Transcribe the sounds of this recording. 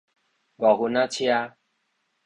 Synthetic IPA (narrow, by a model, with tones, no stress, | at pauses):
ɡɔ˨ɦu˨na˦t͡ɕʰi˦ja˦